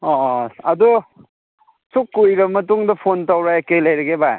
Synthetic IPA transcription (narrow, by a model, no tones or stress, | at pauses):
ɔɐdu | sukːujɡɐmɐtuŋdɐpʰontawɾajekelɐjɾɐɡebaj